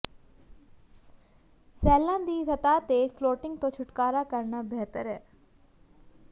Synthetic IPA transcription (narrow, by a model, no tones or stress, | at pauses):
sɛːlãːd̪iːsɐt̪aːt̪efloːʈɪ̃ŋɡ̚t̪õt͡ʃʰʊʈkaːɾakəɾɳabɛɦt̪əɾɦɛː